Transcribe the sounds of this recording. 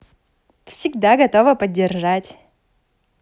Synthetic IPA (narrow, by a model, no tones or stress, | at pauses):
fsʲɪɡd̪aɡɐt̪o̞vəpədʲːɪrʐatʲ